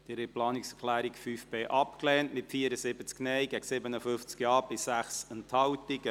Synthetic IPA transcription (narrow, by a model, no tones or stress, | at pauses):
d̥ɪɾɪplɑːnɪksəklæːɾikfyːfb̥eːʔɑpklɛːntmɪtfiːəɾəzɪbət͡sknɛjɡ̥ɛɡsɪbənəfʏft͡skjɑːb̥ɪssæχsənthɑwtɪɡ̥ə